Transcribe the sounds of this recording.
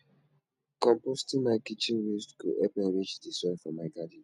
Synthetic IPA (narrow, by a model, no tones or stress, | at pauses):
kɔ̃mpostĩmaɪkit͡ʃĩnɹistkṵʔɛpɛ̃nɹit͡ʃdisɛfɔ̃maɪɡadi